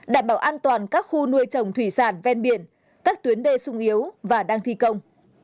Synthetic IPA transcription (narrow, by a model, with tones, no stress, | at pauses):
ɗaː˧˩mɓaː˧˩wʔaː˧nt̪waː˨˩nkaː˦˥k̚xu˧nu˧əjt͡ɕə˨˩wŋ͡mt̪ʰwi˧˩saː˧˩nvɛ˧nɓi˧˩ən | kaː˦˥k̚t̪wi˨˦ənɗe˧˩sʊ˧ŋ͡mʔi˨˦əwvaː˨˩ɗaː˧ŋt̪ʰi˧kə˧wŋ͡m